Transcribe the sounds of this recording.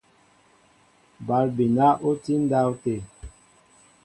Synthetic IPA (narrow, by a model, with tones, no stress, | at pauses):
ba˨˦lbi˨na˦ʔo˦ti˦n˦da˦wte˨